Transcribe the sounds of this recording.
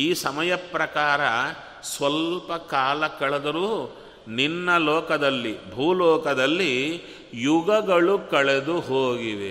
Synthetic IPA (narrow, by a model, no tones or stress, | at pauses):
iːsɐmɐjɐpɾɐkaːɾɐ | sʋɐlpɐkaːlɐkɐɭɛd̪ɐɾuː | ninːɐlɔːkɐd̪ɐlːibʱuːlɔːkɐd̪ɐlːi | juɡɐɡɐɭukɐɭed̪uɦoːɡiʋe